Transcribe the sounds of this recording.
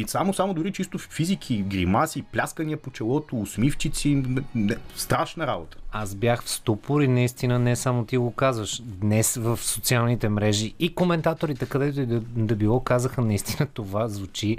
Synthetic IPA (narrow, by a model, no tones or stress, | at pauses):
isamosamod̪ʊɾit͡ʃist̪ʊfizikʰiɡɾimasiplʲaskɐniəpot͡ʃɛlˠɔt̪oːsmift͡ʃit̪sʲinɛnɛst̪ɾaʃnɐɾa̰bot̪ə̥azbjaxfst̪upʊɾinɐist̪inənɛsamot̪iɡokazvəʃd̪nɛsvəfsot̪sialˠnit̪ɛmɾɛʒiikomɛnt̪at̪oɾit̪ɛkɐd̪ɛt̪oid̪d̪ɐbilˠɔkazəxənɐist̪inət̪ovazvut͡ʃi